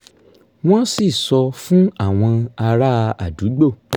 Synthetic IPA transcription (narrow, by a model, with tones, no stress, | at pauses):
w̃ɔ̃˦si˦˨sɔ˧fũ˦a˦˨w̃ɔ̃˧a˧ɾa˦˧a̰˨du˨˦ɡ͡bo˦˨